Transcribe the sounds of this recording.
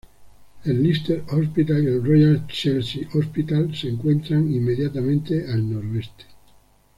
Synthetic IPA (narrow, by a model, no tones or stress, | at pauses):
elːist̪eɾospit̪alielrojalt͡ʃelsiʔospit̪alseŋkwent̪ɾaŋimːeðjat̪amẽnt̪eʔalnoɾoest̪e̥